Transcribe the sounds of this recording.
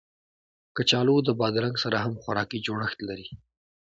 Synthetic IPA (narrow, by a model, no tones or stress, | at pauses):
kət͡ʃɑlod̪əbɑd̪ɾaŋɡsaɾaɦamxwaɾɑkid͡ʒoɽəxt̪laɾi